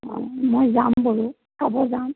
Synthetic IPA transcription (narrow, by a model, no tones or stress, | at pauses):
ɔ̰mojzambɔɹʊ | sʰabɔzam